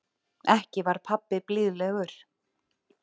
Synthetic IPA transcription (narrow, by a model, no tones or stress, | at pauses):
ɛhcɪvaɾ̥pʰapːɪplɪðlɛɣʏɾ̥